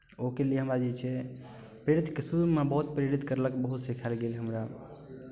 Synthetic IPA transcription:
okelijeɦəmɾad͡ʒɛt͡ʃʰɛ | pɾeɾit̪kesuɾmebəɦut̪̚pɾeɾit̪kəɾləkbəɦut̪sikʰalɡelɦəmɾa

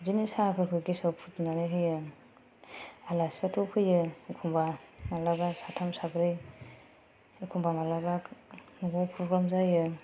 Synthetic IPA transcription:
zinisapʰɯɾkʰɯɡisɔwpʰutnanɯjɦɯjɯ | alasatʰɔpʰɯjɯkʰumbamalaɡasatʰamsaɡɾɯj | kʰumbamalabaknuɡɔpʰɾɔɡɾamzajɯ

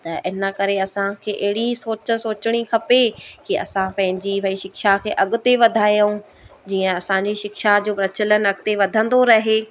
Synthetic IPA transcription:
t̪ɐʔɪnəkɐɾeɐsãkʰeːʔɐɦɪɽisoːt͡ɕəsoːt͡ɕɪɽ̃ikʰɐpekiɐ̰sãpɐ̃ɦɪ̃ɲd͡ʑiʋɐiʃɪkʃakʰeːʔɐɠʊ̆t̪eʋɐd̪ʱaːijɦũ | d͡ʑiːə̃ɐsãɲd͡ʑiʃɪkʃad͡ʑoːpɾɐt͡ɕələnɐɠ̚t̪eʋɐd̪ʱə̃nd̪oɾɐɦeː

